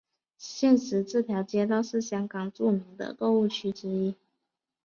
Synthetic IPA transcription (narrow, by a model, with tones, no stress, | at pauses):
ɕjɛ˥˩nʂɻ̩˧˥ʈ͡ʂɻ̩˥˩t̪ʰjɑ˧˥ʊt͡ɕjɛ˥t̪ɑ˥˧ʊʂɻ̩˥˩ɕjɑ˥ŋkɑ˨˩ŋʈ͡ʂu˥˩mi˧˥ŋd̪ə̰˧ko˥˧ʊu˥˩t͡ɕʰy˥ʈ͡ʂɻ̩˥i˥